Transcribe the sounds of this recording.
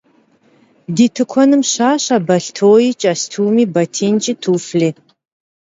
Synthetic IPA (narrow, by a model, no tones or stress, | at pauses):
diːtʰɨkʷʰɔnɨmɕaːɕaːbɐɬtʰoːjit͡ʃʼastʰuːmiːbɐtʰiːnt͡ʃʼitʰuːfɮiː